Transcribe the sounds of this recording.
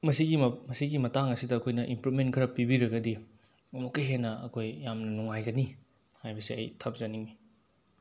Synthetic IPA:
mɐsiɡimɐsiɡimɐtaŋɐsidɐːkʰojnɐʔimpɾumenkʰɐɾɐpibiɾɐɡɐdi | mokːejɦenːɐɐkʰojːamnɐnuŋajɡɐni | hajbɐsiɐ̰jtʰɐp̚z̥ɐniŋmi

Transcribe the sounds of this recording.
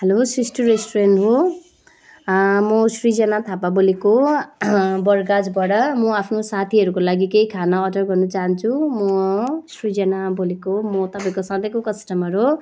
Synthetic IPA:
helosrisʈiɾesʈorenʈɦo | mʌsrid͡zʌnat̪ʰapaboliko | bʌrɡad͡zbʌɽʌmʌapʰnosat̪ʰiɦʌɾukolaɡikejkʰanaːɖʌrɡʌrnʌt͡saɦʌnt͡sʰumʌsrid͡zʌnabolikomʌt̪ʌpãĩkosãd̪ekokʌsʈʌmʌɾɦo

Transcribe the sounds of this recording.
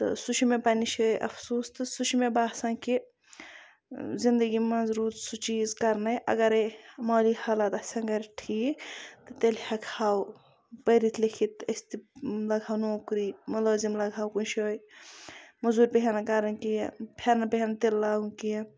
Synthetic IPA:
t̪ɨ̰sut͡ʃʰumẽpɐniʃoːjʔɐ̰fʰsuːst̪ɨsuʃʰimebaːsãki | zind̪əɡimɐ̃zɾuːt̪sut͡ʃiːzkɐɾnɐjʔɐ̰ɡɐɾemoːlihaːlɐt̪ɐsʲɐ̃ŋɡɐɾʈʰiːt̪ɨt̪elhʲɐkʰaːw | pɐɾit̪ʰlikʰit̪ɐsʲt̪ilɐɡʱaːwnoːkɾiːmɐloːzimlɐɡʱaːwkunʃʰoːj | mɐzuːɾʲpʲeɦenɐkɐɾɐnkijẽpʰɐɾnapeɦent̪illaːɡũnkijɐ̃

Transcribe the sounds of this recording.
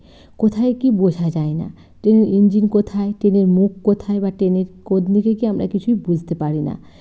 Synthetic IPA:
kot̪ʰaekibod͡ʑʱad͡ʑaena̰ | ʈeneɾʔind͡ʑinkot̪ʰaeʈeneɾmukːot̪ʰaebaʈeneɾkod̪nikekiamɾa̰kit͡ɕʰujbud͡ʑʱt̪epaɾina̰

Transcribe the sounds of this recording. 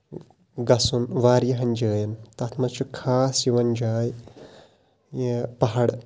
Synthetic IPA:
ɡɐsunʋaːɾjɐɦɐnd͡ʒəːjɐnt̪ɐt̪ʰmɐt͡ʃʰukʰaːsjiʋɐnd͡ʒaːj | jepɐɦɐɽ

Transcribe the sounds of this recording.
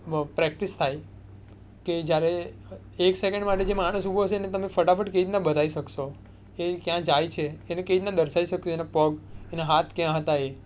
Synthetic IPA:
pɾɛk̚ʈist̪ʰaj | ked͡ʒjaɾe | eksekəɳɖmaʈed͡ʒemaɽ̃usubʱoɦəʃ̬enet̪əmefəʈapʰəʈkeid̪nabəd̪ʱaiʃəkʃo | ekjãd͡ʒajt͡ʃʰeːneked̪nad̪əɾʃaiʃəkʃoenapəɡenaɦat̪ʰkjãɦət̪ae

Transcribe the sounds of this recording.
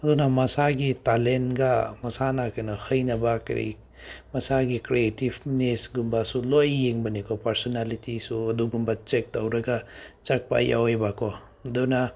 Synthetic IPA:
ɐdunamɐsaɡitalentɡamɐsanakanɔhɐjnɐbakɾḭ | mɐsaɡikɾietibnesɡumbasulojːeŋbɐnikʰɔpɐɾsɔnalitisuɐduɡumbat͡ʃek̚tɐwɾɐɡat͡ʃɐk̚pa̰ja̰webakʰɔ | ɐduna

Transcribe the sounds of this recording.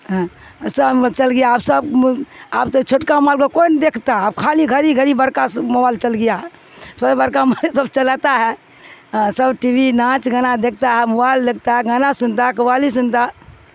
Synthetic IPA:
ɦsət͡ʃəlɡijaːpsəbaːpt̪ot͡ʃʰoʈkamalkəkond̪ekʰt̪aɦɛaːbkʰaliɡʱəɾiɡʱəɾibəɾkasmobalt͡ʃəlɡəjaɦɛ | səbəɾkamsəbt͡ʃəlat̪aɦɛ̃ | səbʈibinãt͡ʃɡanad̪ek̚ʰt̪aɦɛmobald̪ekʰt̪aɦɛɡanasunt̪aɦɛkəbalisunt̪a

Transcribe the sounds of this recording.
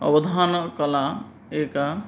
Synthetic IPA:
ɔ̰bɔd̪ʱankɔla | eka

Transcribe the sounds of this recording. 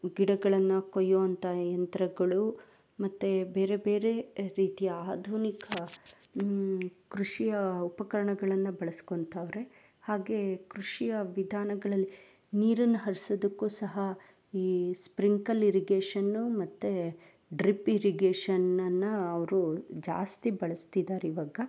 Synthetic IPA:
ɡiɽɐɡɐɭɐnːɐkojːoːɐnt̪ʰɐjɐnt̪ɾɐɡɐɭu | mɐt̪ːebe̞ːɾe̞be̞ːɾe̞ɾiːt̪ijɐaːd̪ʱunikɐ | kɾuʂijɐupɐkɐɾɐɳɐɡɐɭɐnːɐbɐɭɐskont̪aːʋɾe̞ | haːɡe̞kɾuʂijɐʋid̪ʱaːnɐɡɐɭɐlːi | niːɾɐnːɐɦɐɾisod̪ɐkːuːsɐɦɐ | iːspɾiŋkɐliɾiɡeːʂɐnːumɐt̪ːe | ɖɾipiɾiɡeːʂɐnːɐnːɐɐʋɐɾud͡ʒa̰ːst̪ibɐɭɐst̪id̪aːɾiʋaːɡɐ

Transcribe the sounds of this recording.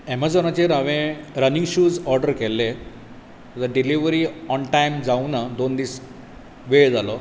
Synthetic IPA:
ɛmad͡zɔnat͡ɕeɾaʋẽɾəniŋɡɕuːd͡zɔɾɖəɾkɛlːe | d̪əɖiliʋɾiɔnʈajmd͡zaunad̪ond̪iːs | ʋeɭd͡zalɔ

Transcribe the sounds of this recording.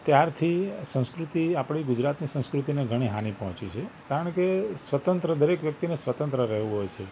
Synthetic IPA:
t̪jaɾt̪ʰisə̃w̃skɾut̪iapɽ̃iɡʊd͡ʒɾat̪nisə̃w̃skɾut̪ineɡʱəɽ̃iɦanipəɦɔ̃t͡ʃit͡ʃʰekaɾəɳkesʋət̪ə̃nt̪ɾəd̪əɾekʋjək̚t̪inesʋət̪ə̃nt̪ɾəɾɛɦʋũɦojt͡ʃʰe

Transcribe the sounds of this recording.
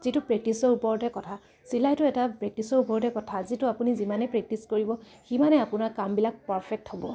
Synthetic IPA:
z̥itʊpɹɛk̚tisɔɹupɔɹɔdɛkɔtʰa | silajtʊɛtapɹɛk̚tisɔɹupɔɹdɛkɔtʰazitʊapunizimanɛpɹɛk̚tiskoɹibɔ | ximanɛapʊnaɹkambilak̚paɹpʰɛk̚thɔbɔ

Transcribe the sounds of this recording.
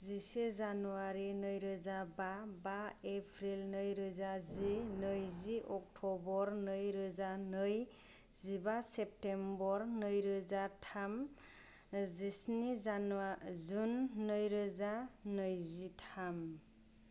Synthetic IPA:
zisezanuaɾinɯjɾɯzababaepʰɾilnɯjɾɯzazinɯjziʔɔk̚ʈʰɔbɔɾnɯjɾɯzanɯj | zibasep̚tembɔɾnɯjɾɯzatʰam | zisnianazunːɯjɾɯzanɯjzitʰam

